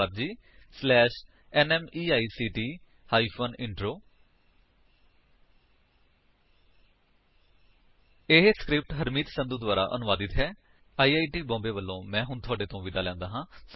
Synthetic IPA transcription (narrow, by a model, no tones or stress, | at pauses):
əɾd͡ʒiːslɛːʃ | ɛːnɛːmiːaːiːsiːʈiː | haːiːpʰoːnɪɳʈɾoː | eɦeskɾɪp̚ʈɦəɾmiːt̪sənd̪uːd̪ʋaːɾa̰ːʔənʊʋaːd̪ɪt̪ɦɛː | aːiːaːiːʈiːbɔ̃ːmbeːʋəlːõːmɛ̃ːɦʊɳt̪ʰʊaːɖeːt̪õːʋɪd̪aːlɛ̃ːnd̪aːɦãːs